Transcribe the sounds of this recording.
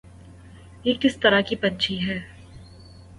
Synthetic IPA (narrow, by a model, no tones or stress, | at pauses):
jeːkɪst̪ɐɾakipɐ̃nt͡ʃʰiɦɛː